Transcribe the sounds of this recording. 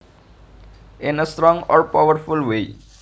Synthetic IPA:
ɪ̃nəsʈɾɔ̃ŋɡɔːɾpaʋəɾfʊlʋeː

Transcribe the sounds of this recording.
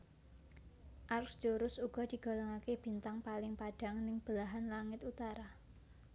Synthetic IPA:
ʔarksd͡ʒuɾʊsuɡ̥ɔ̤d̥i̤ɡ̥ɔ̤lɔŋakeb̥i̤nt̪aŋpalɪŋpaɖ̥a̤ŋnɪŋb̥əlaɦanlaŋɪt̪ut̪aɾa

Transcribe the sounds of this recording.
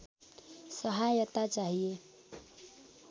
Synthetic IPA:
sʌɦajət̪at͡ʃaɦie

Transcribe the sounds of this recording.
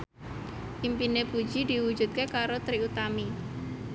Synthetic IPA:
ʔimpinepu̥d͡ʒid̪iwu̥d͡ʒṳt̪̚kekaɾot̪ɾiut̪ami

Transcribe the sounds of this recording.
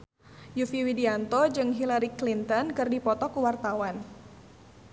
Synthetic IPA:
jufiwidiant̪ɔd͡ʒɨŋɦilaɾiklint̪ɔnkɨrdipɔt̪ɔkuwart̪awan

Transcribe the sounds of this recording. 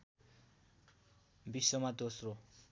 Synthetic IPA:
bisːʌmad̪osro

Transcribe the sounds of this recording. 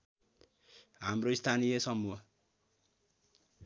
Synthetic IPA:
ɦamroist̪ʰanijʌsʌmuɦʌ

